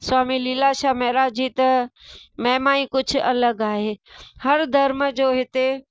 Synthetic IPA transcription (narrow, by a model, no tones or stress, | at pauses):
swaːmilɪlaʃamɛːɾad͡ʑiːt̪ɐmɛ̃ːmaːĩkʊd͡ʑʱʊɐləɡaːɦeːhɐɾd̪ʱɐɾməd͡ʑoːɦɪt̪e